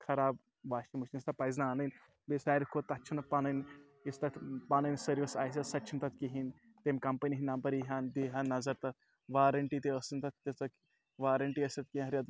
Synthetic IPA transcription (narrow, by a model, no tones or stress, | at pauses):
kʰɐɾaːb | ʋaːʃimuʃinist̪ɐpɐjznaaːnɨnʲ | besaːɾikʰot̪ɐt͡ʃʰinɐpanɐn | ist̪ɐt̪paːnɐnsɐɾjɐsaːjs̬ʲɐsɐtːt͡ʃʰint̪ɐt̪̚kiɦin | t̪emkɐmpɐniɦinaːmpɐɾiɦaːnd̪iːɦanːɐzɐɾt̪ɐt̪̚ʰ | ʋaːɾɐɳʈit̪eəsint̪ɐt̪̚t̪ɐt͡sɐk | ʋaːɾɐɳʈiɐsʲɐt̪̚kĩɦɐɾiɐd̪